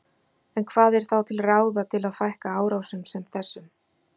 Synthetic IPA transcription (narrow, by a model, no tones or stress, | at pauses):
ɛnkʰv̥aːðɛɾ̥θawt̪ʰɪlraːwðat̪ʰɪlaðfajhkaaːwɾawsʏmsɛmθɛsːʏm